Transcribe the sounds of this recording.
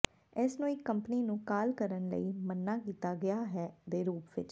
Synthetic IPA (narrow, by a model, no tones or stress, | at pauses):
ɪːsnũːɪkːəmpəniːnũːkaːlkəɾənlə̰iːmənːaːkiːt̪aːɡɪaːɦɛːd̪eːɾuːpʋɪt͡ʃ